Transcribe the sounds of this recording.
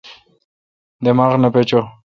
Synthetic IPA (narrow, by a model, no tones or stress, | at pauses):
d̪emaːʁnapet͡ɕo